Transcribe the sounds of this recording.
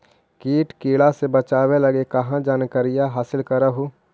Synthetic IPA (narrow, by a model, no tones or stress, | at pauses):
kiːʈkeːɭasebət͡ʃaːwelɐɡekɐɦãd͡ʒaːnkəɾijaɦaːsɪlkəɾəɦo